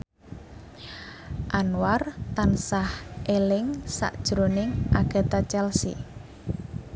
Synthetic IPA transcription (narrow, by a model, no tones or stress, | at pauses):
ʔanwart̪ansahʔelɪŋsa̰ʔd̥ʒ̥ɾonɪŋʔaɡ̥a̤t̪at͡ʃɛlsḭ